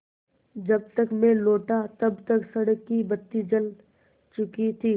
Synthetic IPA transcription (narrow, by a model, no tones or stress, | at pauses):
d͡ʒɐb̚t̪əkmẽloːʈat̪ɐbt̪əksɐɽəkːibət̪ːid͡ʒəl | t͡ʃʊkit̪ʰiː